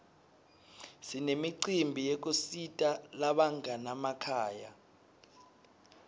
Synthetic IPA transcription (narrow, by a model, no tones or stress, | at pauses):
sinemiǀimbʱijek̬ʼusitʼalaɓaŋanamakʰaːja